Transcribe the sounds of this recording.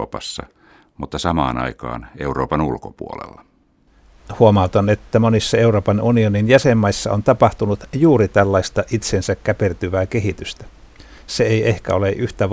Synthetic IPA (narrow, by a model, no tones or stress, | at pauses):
pɑsːɑ̰ | mut̪ːɑsɑmɑːnɑikɑːneuɾoːpɑnulkopuolḛlːɑ | huomɑut̪onet̪ːæmonisːɑe̞uro̞ːpɑnunioninjæsemːɑisːɑont̪ɑpɑht̪unut̪juːɾit̪ælːɑist̪ɑʔit̪sensækkæpert̪yʋæːkeɦit̪yst̪æ̥ | seejʔehkæo̞leʔyht̪æʋ